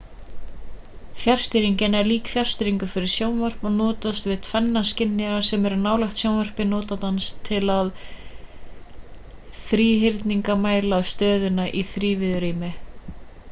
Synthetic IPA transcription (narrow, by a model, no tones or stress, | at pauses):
fjar̥st̪iɾiŋcɪnɛɾliːkfjar̥st̪ɪɾiŋkʏfɪɾɪɾ̥sjaːwnvœr̥pɔɣnɔːt̪ast̪vɪðt̪ʰfɛnːascɪnːɪɾasɛmɛɾʏnaːwlɛxt̪sjawnvœr̥pɪnɔːt̪ant̪anst̪ʰɪlað | θɾiːɦɪɾt̪niŋkamaːjlaːðst̪œːðʏnaʔiθɾiːvɪðʏɾiːmɪ